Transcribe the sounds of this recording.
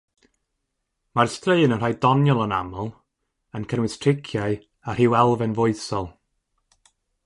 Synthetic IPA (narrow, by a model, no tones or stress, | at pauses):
marstreɨnənrajdɔnjɔlˠəna̰mɔlˠ | ənkʰənwɪstʰrɪkʰjaɨ | ahɨwɛlˠvɛnvʊɨθsɔlˠ